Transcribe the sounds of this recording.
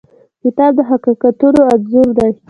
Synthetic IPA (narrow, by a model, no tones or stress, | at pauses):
kɪt̪ɑb̚d̪əɦaqikat̪uɾoad̪zuɾd̪aj